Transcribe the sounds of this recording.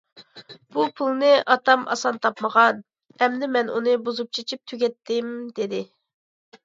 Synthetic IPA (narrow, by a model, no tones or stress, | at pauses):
b̥upʰulˠnɨʔɑt̪ʰɑmɑ̰sɑnt̪ʰɑpməʁɑn | ɛmd̪ɪmɛnunɨbuzup̚t͡ʃʰit͡ʃʰip̚t̪ʰyɡʲɛt̪ʰːɪmd̪ɪd̪ɪ